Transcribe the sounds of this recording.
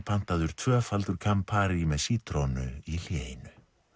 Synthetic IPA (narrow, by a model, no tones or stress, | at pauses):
pʰan̥t̪aðʏɾ̥t̪ʰvœːfalt̪ʏɾ̥kʰampʰaːɾɪmɛðsiːt̪ɾonʏ̰il̥jejnʏ